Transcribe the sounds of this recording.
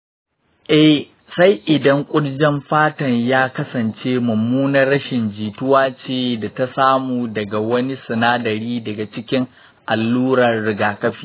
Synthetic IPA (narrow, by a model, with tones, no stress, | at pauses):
ʔɛ˦h | sa˦jʔɪ˨dɐ˦ŋkʷʼʊ˦ɽd͡ʒɛ˦mɸaː˦tɐ˨ɲjaː˦kɐ˦sɐ˨nt͡ʃeː˦mɐ˨muː˦nɐ˦rːɐ˦ʃɪ˨nd͡ʒiː˨tʊ˦waː˦t͡ʃeː˦˨da˨ta˦saː˦muː˨dɐ˨ɡa˨wɐ˦ni˦sɪ˨naː˦dɐ˨ɾiː˦dɐ˨ɡa˨t͡ʃɪ˦kʲɪ˦ŋ | ʔa˨lːuː˦ɾɐ˨rɽɪ˨ɡaː˨kɐ˦ɸiː˦